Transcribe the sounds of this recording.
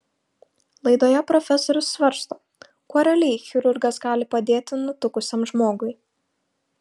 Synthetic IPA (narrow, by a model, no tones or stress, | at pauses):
lˠɐɪd̪oːjɛpɾɔfʲɛsɔɾʲʊsːʋɐɾst̪oː | koːɾʲɛlʲɛɪxʲɪɾʊɾɡɐsɡɑːlʲɪpɐd̪ʲeːt̪ʲɪnʊt̪ʊkʊsʲɛmʒmoːɡʊɪ